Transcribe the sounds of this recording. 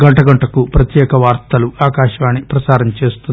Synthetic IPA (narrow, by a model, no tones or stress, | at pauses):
ɡɐɳʈɐɡɐɳʈɐkupɾɐt̪jɛːkɐʋaːɾt̪ɐluaːkaːʃɐʋaːnipɾɐsaːɾɐɲt͡ʃeːst̪un